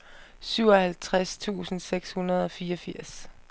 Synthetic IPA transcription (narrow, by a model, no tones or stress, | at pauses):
syʊ̰ɒhælt͡sʰʁast͡sʰṵːsn̩seɡ̥shunɐð̞̩ˠɒ̽fiːɒfiɐ̰s